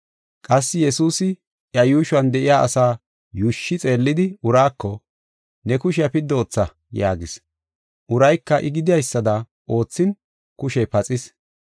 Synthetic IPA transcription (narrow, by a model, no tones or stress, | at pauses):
kʼɐsːɪjɛsuːsɪ | ʔjɐjuːʃʊɐnd̪ɛʔɪjaːʔɐsaː | juʃːɪt͡sʼe̞ːlːɪd̪ɪʊɾaːkːɔ | nɛkʊʃɪjɐpɪd̪ːoːt͡sːɐ | ja̰ːɡɪs | ʔʊɾɐjkːɐʔɪɡɪd̪ɪjɐjsːɐd̪ɐ | ʔo̞ːt͡sːɪn | kʊʃɛjpɐt͡sʼɪs